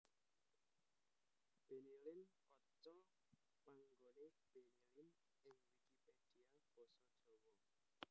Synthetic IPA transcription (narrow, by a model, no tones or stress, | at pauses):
b̥enelɪnkɔt͡ʃɔ | maŋɡone | b̥enelɪn | ɪŋwikiped̥iab̥ɔ̤sɔd̥ʒ̥owɔ